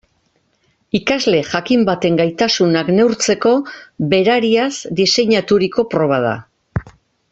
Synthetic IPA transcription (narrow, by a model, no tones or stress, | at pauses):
ikazle̞ʝakimbat̪e̞ŋɡajt̪asunakne̞wɾt͡se̞ko̞be̞ɾaɾiazd̪ise̞ɲat̪uɾiko̞pɾo̞β̞aða̰